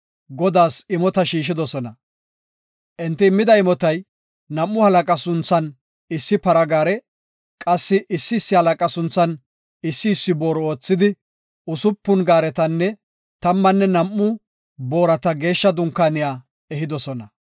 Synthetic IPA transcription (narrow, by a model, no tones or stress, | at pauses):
ɡɔd̪aːsɪmɔt̪ɐʃiːʃ̬ɪd̪ɔsɔnɐ | ʔɛnt̪ːɪːmːɪd̪ɐɪmɔt̪ɐj | nɐmːʊhɐlɐkʼɐsʊnt͡sːɐn | ɪsːɪpɐɾɐɡaːɾɛ | kʼɐsːɪʔɪsːɪːsːɪhɐlɐkʼɐsʊnt͡sːɐn | ɪsːɪːsːɪbo̞ːɾɔoːt͡sːɪd̪ɪ | ʊsʊpːʊnɡaːɾɛt̪ɐnːɛ | t̪ɐmːɐnːɛnɐmːʊ | bo̞ːɾɐt̪ɐɡe̞ːʃːɐd̪ʊŋkːaːnɪjaː | ɛɦɪd̪ɔsɔnɐ